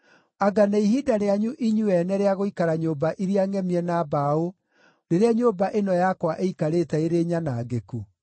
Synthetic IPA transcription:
aɡanaiɦidaɾeaɲuʔiɲuɛnɛɾeaɣoikaɾaɲoːbaʔiɾiaŋɛmiɛnaːbao | ɾeɾeaɲoːbaʔenɔjakwaʔeikaɾetɛeɾeɲanaːɡeku

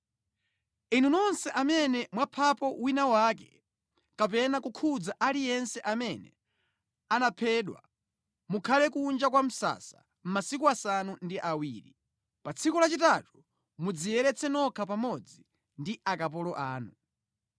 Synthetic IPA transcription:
inunɔnsɛʔamɛnɛmwapʰapɔwinawakɛ̥ | kap̬ɛnakukʰud͡zaʔalijɛnsɛʔamɛnɛ̰ | anapʰɛːɗwa̰ | mukʰalɛkund͡ʒakwam̩sa̰sḁ | m̩masikuasanundiʔawiːɾi | pat͡sʰikɔlat͡ʃitatu | mud͡zijɛɾɛt͡sʰɛnɔkʰapamɔd͡zi | ndiʔakap̬ɔlɔʔaːnu

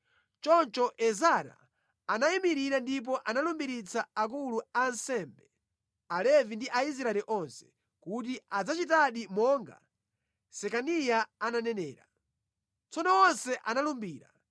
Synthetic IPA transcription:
t͡ʃɔnt͡ʃɔʔɛzaɾa̰ː | najimiɾiɾandip̬ɔʔanalumbiɾit͡saak̬uluansɛmbɛ | alɛvindiʔais̬ɾaɛɾiʔɔnsɛ̥ | kut̬iad͡zat͡ʃitaɗimɔŋɡa̰ | sɛkanijaananɛnɛːɾa | t͡sɔnɔwɔnsɛʔanalumbiːɾa̰

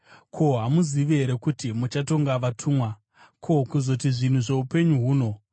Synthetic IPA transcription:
kʰo̞ɦamuziʋiɦeɾe̞kutimut͡ʃato̞ŋɡaʋatʰuːmwa | kʰokuzo̞tiʐin̤uʐe̞upe̞ɲuɦuːno̞

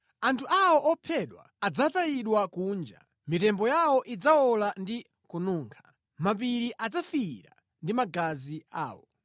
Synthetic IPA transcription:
antʰuʔawɔʔɔpʰɛɗwa̰ːd͡zataiɗwakuːnd͡ʒa̰ | mitɛmbɔjawɔʔid͡zaɔlandi | kunuːŋkʰḁ | map̬iɾiʔad͡zafiɾa̰ | ndimaɡazia̰ːwɔ̰

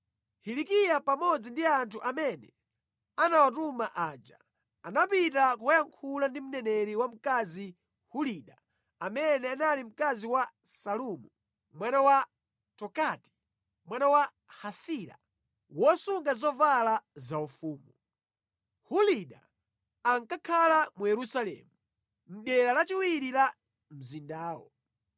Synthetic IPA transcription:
hilikijapamɔd͡zindiantʰuʔamɛnɛ̰ | anawat̬umaʔaːd͡ʒa | anapitakuwajaŋkʰulandim̩nɛnɛɾiwam̩kazi | huliɗa | amɛnɛanalim̩kaziwa | salumu | mwanawa | tɔkati̥ | mwanawa | hasiɾa̰ | wɔsuŋɡazɔvalazaufuːmu | huliɗa̰ | aŋkakʰalamujɛɾusalɛ̰ːmu | m̩ɗɛɾalat͡ʃiwiɾila | m̩zindaːwɔ̰

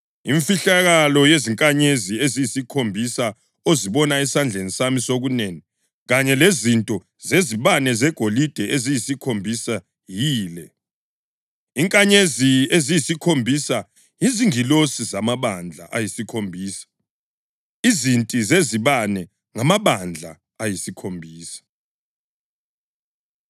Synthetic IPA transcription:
iɱfiɬaɣalɔjeziŋkʼaɲeziezijisikʰombʱisa | oziβɔnaɛsand͡ɮʱenisamisoɣuneːni | ɣaɲɛlezintʼɔ | zeziβanɛzɛɡ̥ʱolid̥ʱɛʔezijisikʰombʱisa | jiːlɛ | iŋkʼaɲeziezijisikʰombʱisa | jiziŋilosizamaβand͡ɮʱa̰ʔajisikʰombʱiːsḁ | izintʼizeziβanɛ | ŋamaβand͡ɮʱa̰ | ajisikʰombʱiːsḁ

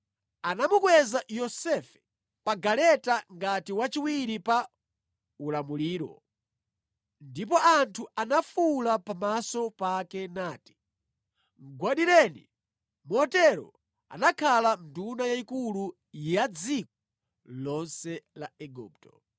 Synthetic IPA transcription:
anamukwɛzajɔsɛfɛ̥ | paɡalɛtaŋɡatiwat͡ʃiwiɾipa | ulamuliːɾɔ̰ | ndipɔʔantʰuanafulapamasɔpakɛnaːti̥ | ŋɡwaɗiɾɛnḭ | mɔtɛɾɔ̰ | a̰nakʰalan̩dunajaikulu | jjad͡zik̚ɔ | lɔnsɛlaɛɡṵːp̚tɔ

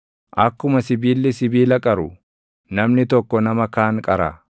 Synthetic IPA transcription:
ʔɐkːʊmɐsɪbiːlːɪsɪbiːlɐkʼɐɾʊ | nɐmnɪt̪ɔkːɔnɐmɐkaːŋkʼɐɾa

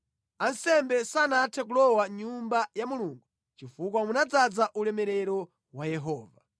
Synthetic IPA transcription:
ansɛmbɛsanatʰɛk̬ulɔwaɲumbajamuluːŋɡu | t͡ʃifuk̬wamunad͡zad͡zaʔulɛmɛɾɛɾɔ | wajɛɦɔːva

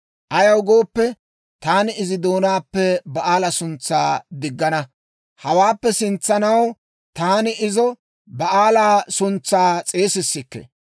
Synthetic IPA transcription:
ʔɐjɐwɡo̞ːpːɛ | t̪aːnɪɪzɪd̪o̞ːnaːpːɛbɐʔaːlɐsʊnt͡sːaːd̪ɪɡːɐnɐ | hɐwaːpːɛsɪnt͡sːɐnɐw | t̪aːnɪɪzɔ | bɐʔaːlaːsʊnt͡sːaːt͡sʼe̞ːsɪsːɪkːḛ

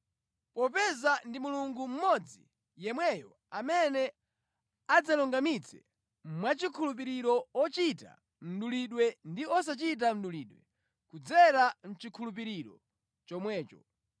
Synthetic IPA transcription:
pɔpɛzandimuluŋɡum̩mɔd͡zḭ | jɛmwɛjɔ | amɛnɛ | ad͡zalɔŋɡamit͡sʰɛ̰ | mwat͡ʃikʰulup̬iɾiɾɔɔt͡ʃita̰ | m̩ɗuliɗwɛndiɔs̬at͡ʃit̬am̩ɗuliːɗwɛ | kud͡zɛɾan̩t͡ʃikʰulup̬iɾiɾɔ̰ | t͡ʃɔmwɛːt͡ʃɔ

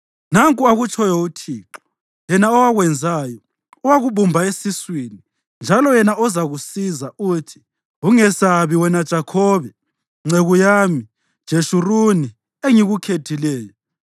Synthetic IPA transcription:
naŋkʼuaɣut͡ʃʰɔjɔutʰiːǁɔ̥ | jɛnaɔwaɣwɛnd͡zʱaːjɔ | ɔwaɣuβumbʱaesiswini | nd͡ʒʱalɔjɛnaʔɔzaɣusizaʔuːtʰi̥ | uŋɛsaβiwɛnad̥ʒ̥ʱakʰɔβɛ | ŋ͡ǀʱeɣujaːmi | d̥ʒ̥ʱeʃuruni | eŋiɣukʰetʰilɛːjɔ

